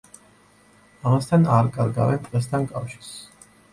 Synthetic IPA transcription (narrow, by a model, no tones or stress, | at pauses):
amast̪ʰanaɾkʼaɾɡa̰vɛnt̪ʼqʼɛst̪ʰankʼafʃi̥ɾss